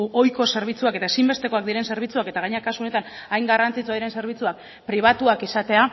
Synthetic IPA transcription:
o̞jko̞se̞ɾβ̞it͡suake̞t̪aesimbe̞st̪e̞ko̞ak̚d̪iɾe̞nse̞ɾβ̞it͡suake̞t̪aɣ̞aɲeakasuo̞ne̞t̪anajŋɡarant͡sit͡sojɾe̞nse̞ɾβ̞it͡suak̚ | pɾiβ̞at̪uakisat̪e̞a

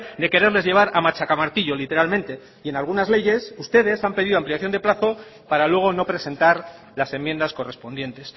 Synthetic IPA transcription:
d̪e̞ke̞ɾe̞ɾle̞zʝe̞β̞aɾamat͡ʃakamaɾt̪iʎo̞lit̪e̞ɾalmẽnt̪e̞ | ie̞nalɣ̞unazle̞ʝe̞sust̪e̞ðe̞sampe̞ð̞iðo̞ampliaθjo̞nd̪e̞plaθo̞ | paɾalwe̞ɣ̞o̞no̞pɾe̞se̞nt̪aɾ | lase̞mːje̞nd̪asko̞re̞spo̞nd̪je̞nt̪e̞s

